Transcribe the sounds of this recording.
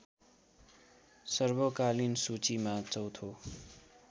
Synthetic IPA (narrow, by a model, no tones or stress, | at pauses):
sʌrbʌkalinsut͡simat͡sʌwt̪ʰo